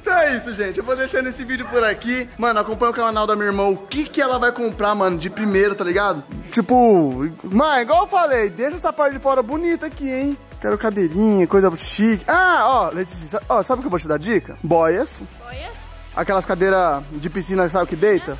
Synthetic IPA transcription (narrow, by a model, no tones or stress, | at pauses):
t̪ɐ̃ɛisʊʒẽt͡ʃɪewvod̪eʃaɾnesɪvid͡ʒʊpʊɾakimɐ̃nʊakõpɐ̃ɲ̃ʊkanawd̪ɐmĩɐiɾmɐ̃w̃ʊkɪkɪɛlɐvajkõmpɾamɐ̃nʊd͡ʒɪpɾimejɾʊt̪aliɡad̪ʊt͡ʃipʊ | mɐ̃nĩɡwaw̃ewfalejd̪eʃɐɛsapaɾd͡ʒɪfɔɾɐbunit̪akiẽj̃ | kɛɾʊkad̪eɾĩɲɐkojzɐʃikɪaɔlejt͡ʃisisaɔsabɪʊkewvot͡ʃɪd̪ad͡ʒikɐ̰bɔjɐs | a̰kɛlɐskad̪eɾɐd͡ʒɪpisĩnɐsabɪkɪd̪ejt̪ɐ